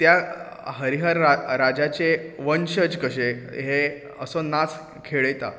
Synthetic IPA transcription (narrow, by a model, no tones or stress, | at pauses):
t̪ja | ɦəɾiɦəɾaɾad͡ʑat͡seʋənɕəd͡ʑkəɕeɦe | əsɔnat͡s | kʰeɭəjt̪a̰